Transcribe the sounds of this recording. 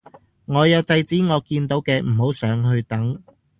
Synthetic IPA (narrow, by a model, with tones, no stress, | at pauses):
ŋɔː˨˧jɐ˨˧wt͡sɐ˧jt͡siː˨˥ŋɔː˨˧kiː˧nt̪o˨˥wkɛː˧m̩˨˩ɦo˨˥wsœː˨˥ŋɦɵ˧ɥt̪ɐ˨˥ŋ